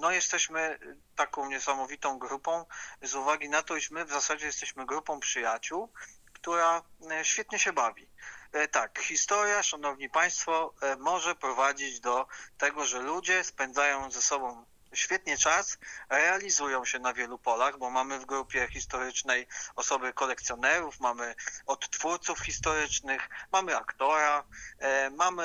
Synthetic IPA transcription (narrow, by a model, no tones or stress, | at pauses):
nɔjɛst̪ɛɕmɘt̪akɔ̃w̃ɲɛsamɔvʲit̪ɔ̃w̃ɡɾupɔ̃w̃zuvaɡʲinat̪ɔiʃmɘvzasad͡ʑɛjɛst̪ɛɕmɘɡɾupɔ̃w̃pʂɘjat͡ɕuwkt̪uɾaɕfʲjɛt̪ɲɛɕɛbavʲit̪akxʲist̪ɔɾjaʂanɔvɲipaj̃st̪fɔmɔʐɛpɾɔvad͡ʑid͡ʑd̪ɔt̪ɛɡɔʐɛlud͡ʑɛspɛnd̪zajɔ̃w̃zɛsɔbɔ̃w̃ | ɕfʲjɛt̪ɲɛt͡ʂasɾɛalʲizujɔ̃w̃ɕɛnavʲjɛlupɔlaɣbɔmamɘvɡɾupʲjɛxʲist̪ɔɾɘt͡ʂnɛjɔsɔbɘkɔlɛkt̪sʲjɔnɛɾufmamɘɔt̪ːfuɾt̪sufxʲist̪ɔɾɘt͡ʂnɘxmamɘakt̪ɔɾa | mamɘ